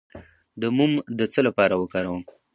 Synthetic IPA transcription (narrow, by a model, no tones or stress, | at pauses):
d̪əmumd̪ət͡səlapɑɾawəkɑɾawəm